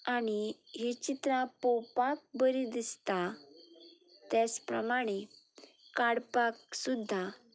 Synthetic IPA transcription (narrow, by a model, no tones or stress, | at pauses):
añiɦet͡ɕit̪ɾãpɔpak̚bəɾid̪ist̪a | t̪jat͡spɾəmaɽ̃e | kaɽpaksud̪ʱːa